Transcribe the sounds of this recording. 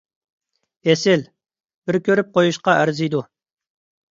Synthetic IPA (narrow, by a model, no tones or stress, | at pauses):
esɪl | b̥ɪɾkʲʰøɾyp̚qʰojuʃqɑʔæɾzijd̪u